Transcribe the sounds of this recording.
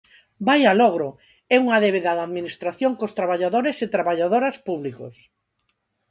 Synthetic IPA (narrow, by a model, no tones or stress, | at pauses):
bajalɔɣɾo | ɛuŋaðeβeðaðaðminist̪ɾaθjoŋkost̪ɾaβaʎaðoɾeset̪ɾaβaʎaðoɾɐspuβlikʊ̰s